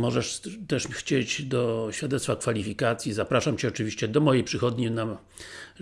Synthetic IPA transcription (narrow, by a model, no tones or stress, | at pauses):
mɔʐɛʂt̪ɛʂxt͡ɕed͡ʑd̪ɔɕfʲjad̪ɛt̪t̪fakfalʲifʲikat̪sʲjizapɾaʂamt͡ɕɛɔt͡ʂɘvʲiɕt͡ɕɛd̪ɔmɔjejpʂɘxɔd̪ɲina